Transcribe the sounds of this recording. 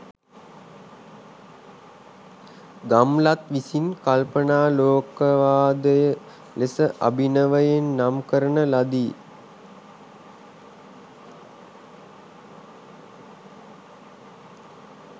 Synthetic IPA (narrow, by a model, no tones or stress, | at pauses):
ɡamlat̪ʋisinkalpənaːloːkəʋaːd̪əjə | lesəʔa̰binəʋəjenːamkəɾənəlad̪iː